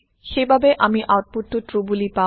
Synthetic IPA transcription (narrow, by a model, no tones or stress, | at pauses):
xejbʱabeʔamiʔawʈ̚puʈːuʈɾubulipa